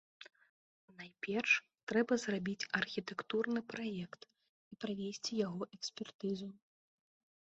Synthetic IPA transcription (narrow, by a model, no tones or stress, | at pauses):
najpʲɛrʂ | t̪ɾɛbɐzrabʲit͡sʲɐrxʲit̪ɛkt̪urnɨpɾajɛkt̪ | ipɾavʲesʲt͡sʲijaɣɔʔɛksʲpʲɛrt̪ɨzu